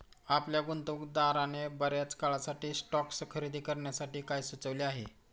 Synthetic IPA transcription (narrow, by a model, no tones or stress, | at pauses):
apljaɡunt̪ukd̪aɾanebəɾjat͡skaɭasaʈiːsʈɔkskʰəɾid̪ʱiːkəɾɳjasaʈiːkajsʋut͡səʋliːaɦḛ